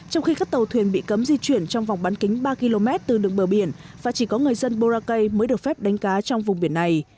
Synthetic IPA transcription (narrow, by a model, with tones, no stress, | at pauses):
t͡ɕɔ˧wŋ͡mxi˧kaː˦˥k̚t̪ə˨˩wt̪ʰwi˨˩ənɓḭ˧˨kə˨˦mzi˧t͡ɕwi˧˩ənt͡ɕɔ˧wŋ͡mva˨˩wŋ͡mɓaː˨˦nkï˨˦ŋ̟ɓaː˧ki˧lo˧mɛ˦˥t̚t̪ɨ˨˩ɗɨ˨˩əŋ̚ɓəː˧˩ɓi˧˩ən | vaː˨˩t͡ɕi˧˩kɔ˨˦ŋɨ˨˩əjzə˧nɓo˧zaː˧kə˧jməː˨˦jɗɨ˨˩ək̚fɛ˦˥p̚ɗa˨˦ŋ̟kaː˨˦t͡ɕɔ˧wŋ͡mvʊ˨˩ŋ͡mɓi˧˩ənːa˨˩j